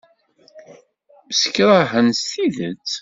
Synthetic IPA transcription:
əsə̥kɾˤaɦənst̪iðət͡s

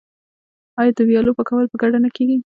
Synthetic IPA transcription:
ɑjɑd̪əwjɑlopəkawalpəɡaɽanakeɡi

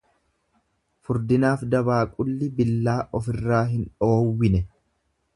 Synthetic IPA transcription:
fʊɾd̪ɪnaːfd̪ɐbaːkʼʊlːɪbɪlːaːʔɔfɪrːaːɦɪnᶑo̞ːwːɪnɛ

